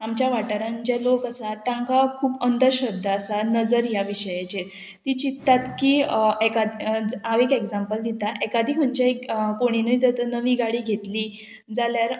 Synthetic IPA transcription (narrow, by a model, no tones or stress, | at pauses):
amt͡ɕjaʋaʈəɾãɲt͡ɕjalokasat̪ãŋkakʰuːpənd̪əɾɕəbd̪ʱːaːsanəd͡zəɾjaʋiɕəjat͡ɕet̪ | t̪it͡ɕit̪ːat̪kiːekad̪d͡zaʋekeɡd͡zampəld̪it̪aʔɛkad̪ʱiːkməɲt͡ɕaekkoɽ̃inəid͡zət̪ənəʋiːɡaɽiːɡʱet̪liː | d͡zaljaɾ